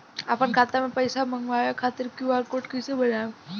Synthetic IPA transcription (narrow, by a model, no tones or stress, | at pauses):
apənkʰaːt̪amẽpəɪsamə̃ŋɡʋaːjakʰaːt̪ɪɾkjuaɾkoːʈkəɪsebɐɾã